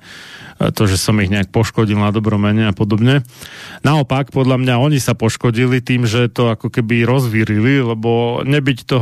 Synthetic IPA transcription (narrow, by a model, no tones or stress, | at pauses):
t̪ɔʒɛsɔmiɦɲɛak̚pɔʃkɔɟilnad̪ɔbɾɔmɛɲɛapɔd̪ɔbɲɛnaɔpakpɔd̪lʎamɲaɔɲisapɔʃkɔɟilit̪iːmʒɛt̪ɔakɔkɛbiɾɔzʋiɾililɛbɔɲɛbict̪ɔ